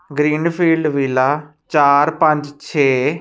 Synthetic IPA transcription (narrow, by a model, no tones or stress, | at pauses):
ɡɾiːnpʰiːlɖʋiːlaːt͡ʃaːɾpə̃ɲd͡ʒt͡ʃʰeː